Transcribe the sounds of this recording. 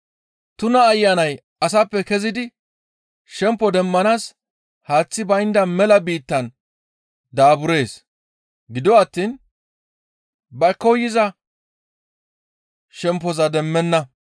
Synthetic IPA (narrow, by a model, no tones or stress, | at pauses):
t̪ʊnɐːjːanɐj | ɐs̬ɐpːɛkɛzɪd̪ɪ | ʃɛmpːɔd̪ɛmːɐnaːs | haːt͡sːɪbɐjnd̪ɐmɛlɐbiːt̪ːɐn | d̪aːbʊɾe̞ːs | ɡɪd̪ɔɐt̪ːiːn | bɐkːɔjːɪzɐ | ʃɛmp̬ːɔzɐd̪ɛmːɛnːɐ